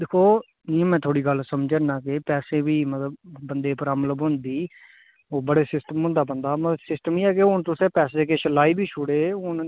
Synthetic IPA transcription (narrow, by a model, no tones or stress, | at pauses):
d̪eːkʰoː | nĩːmɛ̃ːt̪ʰoːɽiːɡəlsəmd͡ʒaːnãːkɪpɛːsẽːʋiːmət̪ləbbənd̪eːpəɾaːmələbʊ̃nd̪iː | oːbəɽeːsɪsʈəmɦʊ̃nd̪aːbənd̪aːməsɪsʈəmiːɛːkɪʊɳt̪ʊsẽːpɛːseːkeʃəlaːiːbʱiːt͡ʃʰʊɽeːʊn